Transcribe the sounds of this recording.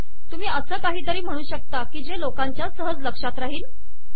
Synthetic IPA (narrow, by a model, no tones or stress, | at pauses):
t̪umiːəsəːkaɦiːt̪əɾiːm̤əɽ̃uːɕək̚t̪akiːd͡ʑelokãɲt͡ɕjasəɦəd͡zləkʂat̪ɾaɦiːl